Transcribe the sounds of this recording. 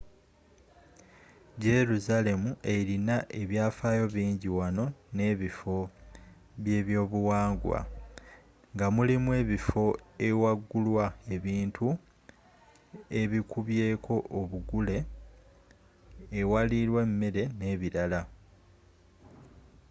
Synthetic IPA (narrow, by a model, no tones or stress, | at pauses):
je̞ɾuzale̞muʔe̞ɾinaʔe̞βjaːfaːjo̞βiːɲɟiwano̞ne̞ːβifo̞ | βje̞ːβjo̞ːβuwaːŋɡwa̰ | ŋɡamulimwe̞ːβifo̞ewaɡːulwae̞βiːntʰu | e̞βikuβje̞ːkʰo̞ʔːβuɡule̞ | waliɾwe̞mːeɾe̞ne̞ːβiɾala